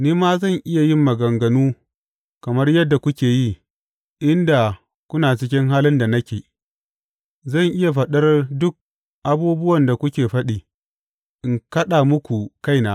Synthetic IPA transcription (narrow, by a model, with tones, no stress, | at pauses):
niː˦maː˦zɐ˦˨ŋʔɪ˦ja˨jɪ˦mːɐ˨ɡɐ˨ŋɡɐ˨nuː˦ | kɐ˨mɐ˦rjɐ˦dːa˨kʷʊ˦kʲeː˨ji˦ | ʔɪ˦nda˨ | kʷʊ˦naː˨t͡ʃɪ˦k̬ʲɪ˦ŋɦaː˦lɪ˦nda˨nɐ˦kʲeː˨ | zɐ˦˨ŋʔɪ˦ja˨ɸɐ˨ɗɐ˦rdʊ˦k̚ | ʔa˨buː˦bʊ˦wɐ˨nda˨kʷʊ˦kʲeː˨ɸɐ˦ɗiː˨ | ʔɪ˨ŋkɐ˦ɗaː˨mʊ˦kʷu˨ka˦˨jnaː˦